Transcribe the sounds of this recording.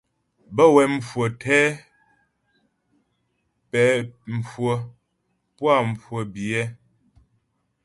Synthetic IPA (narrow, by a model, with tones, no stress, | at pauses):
bə˦wɛ˨m̩˨fwo˨tʰɛ˦ | pɛ˨˦m̩˨fwo˨ | pwa˦˨m̩˨fwo˨bi˨ɛ˦